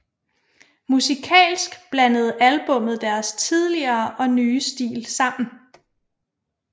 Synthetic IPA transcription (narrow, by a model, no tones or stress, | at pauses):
musikʰɛ̰ːlsɡ̥b̥lænəð̞̩ˠælb̥ɔ̽m̰ð̞̩ˠd̥æɐst͡sʰið̞ˠliɐːʔɒ̽nyːsd̥ḭːlsɑ̈m̰n̩